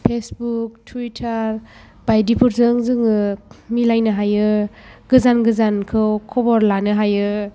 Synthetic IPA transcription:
pʰesbuk̚tʰuwitʰaɾ | b̥ajdipʰuɾzɯŋzɯŋɯmilajnɯɦajɯɡɯzanɡɯzankʰɯwkʰɔbɔɾlanɯɦajɯ

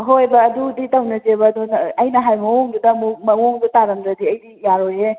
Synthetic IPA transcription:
ɦojbɐːduditawnɐd͡ʒebɐːdɔnɐjnɐɦajmɐwoŋdudɐmumɐwoŋdutaɾɐmdɐdiɐjdijaɾoje

